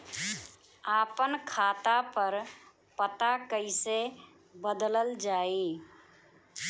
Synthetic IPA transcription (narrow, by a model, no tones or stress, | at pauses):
aːpənkʰaːt̪apəɾ | pət̪akəɪse | bəd̪ləld͡ʒaːi